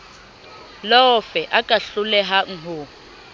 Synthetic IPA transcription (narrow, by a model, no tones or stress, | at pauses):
lɔɔfɛʔakʼaɬulɛɦaŋ̩ɦo